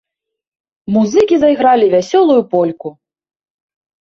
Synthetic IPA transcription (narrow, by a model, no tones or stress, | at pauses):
muzɨkʲizajɣɾalʲivʲasʲɔlˠujupɔlʲku